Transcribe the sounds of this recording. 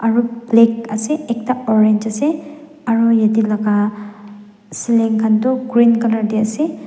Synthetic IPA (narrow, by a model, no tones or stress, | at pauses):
aɹublekaseek̚taɔɾend͡ʒase | aɹujadilaɡa | sileŋkʰantɔɡɾinkanaɾdiase